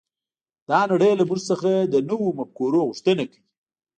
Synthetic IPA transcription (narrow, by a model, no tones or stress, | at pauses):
d̪̥ɑnaɽəjlamuʒsəxad̪ənəwomap̚koɾoɣuʂt̪ənakawi